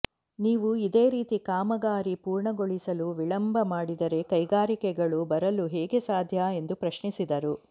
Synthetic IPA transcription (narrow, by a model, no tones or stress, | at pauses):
niːʋuid̪e̞ːɾiːt̪ikaːmɐɡaːɾipuːɾɳɐɡoɭisɐluʋiɭɐmbʱɐmaːɽid̪ɐɾe̞kɐjɡaːɾikɛɡɐɭubɐɾɐluɦɛːɡe̞saːd̪ʱjae̞nd̪upɾɐʃɳisid̪ɐɾu